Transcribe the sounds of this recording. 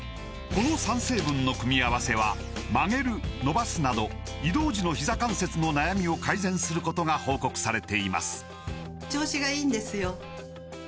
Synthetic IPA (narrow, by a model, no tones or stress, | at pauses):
ko̞no̞sãɰ̃se̞ːbɯ̟̃nːo̞kɯ̟mʲiaβase̞βa | maŋe̞ɾɯ̟no̞basɨnad̪o̞ | id̪o̞ːʑino̞çizakãɰ̃se̞t͡sɨno̞najamʲio̞kaizẽ̞ɰ̃sɨɾɯ̟ko̞t̪o̞ɡaho̞ːko̞kɯ̟̥saɾe̞t̪e̞ima̰sɨ̥ | t͡ɕo̞ːɕiɡaiːnd̪e̞sɨjo